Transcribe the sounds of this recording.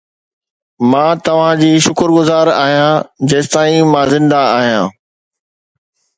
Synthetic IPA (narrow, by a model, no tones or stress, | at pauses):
mãːt̪ɐʋ̤ãd͡ʑiːʃʊkəɾɡʊzaːɾa̰ːɦijãːd͡ʑeːst̪aːĩmãːzɪ̃nd̪aaːɦijã̰ː